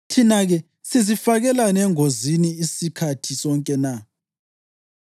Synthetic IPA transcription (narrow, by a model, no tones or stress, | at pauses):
tʰinaɣɛ | sizifaɣɛlanɛŋoziniːsikʰatʰisɔŋkʼɛna